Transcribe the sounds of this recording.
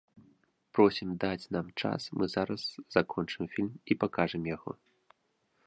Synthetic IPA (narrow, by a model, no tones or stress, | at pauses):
pɾɔsʲimd̪at͡sʲnamt͡ʂa̰smɨzaɾɐsz̥akʰɔnt͡ʂɨmfʲilʲmipakaʐɨmjaɣɔ̰